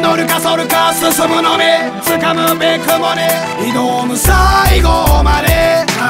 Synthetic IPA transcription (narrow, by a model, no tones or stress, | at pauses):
noɾɯkasoɾɯkasɨsɨmɯnoɾe | t͡sɨkamɯbekɯmone | inomɯsaiɡomaɾe